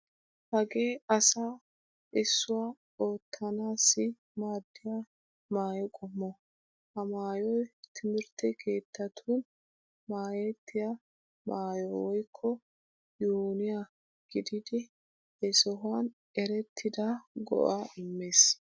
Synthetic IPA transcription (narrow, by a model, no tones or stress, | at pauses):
hɐɡe̞ːɐsa | ʔɪsːʊwa | o̞ːt̪ʰːɐnaːsːɪ | maːd̪ːɪja | maːjɔkʼɔmːɔ | hɐmaːjɔjt̪ʰɪmɪɾt̪ːɛkʰe̞ːt̪ːɐt̪ʰuːn | maːjet̪ʰːɪja | maːjɔwɔjkʰːɔ | juːnɪja | ɡ̥ɪd̪ɪd̪ɪ | ɛsɔɦʊwan | ɛɾɛt̪ʰːɪd̪aɡɔ̰ʔaʔɪmːeːs